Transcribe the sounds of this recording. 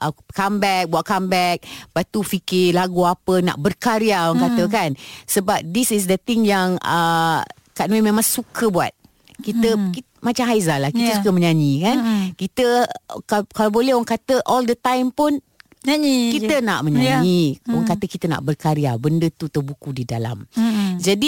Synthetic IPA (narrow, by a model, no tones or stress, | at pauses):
ʔəkambɛk̚buaʔkambɛk̚bat̪ufikɪlaɡuapəna̰ʔbərkaɾiawaŋkat̪əkansəbap̚disis̬dət̪iŋjaŋə̰ | kaʔnwimẽmãŋsukəbua̰t̪̚ | kit̪əki | mat͡ʃamɦajzalakit̪əsukəmə̃ɲaɲĩkankit̪əkakalawbolɛɦoaŋkat̪əʔɔldət̪ãjmpun | ikit̪ənaʔmə̃ɲaɲioaŋkat̪əkit̪əna̰ʔbərkaɾiabəndət̪ut̪ərbukudidala̰md͡ʒadi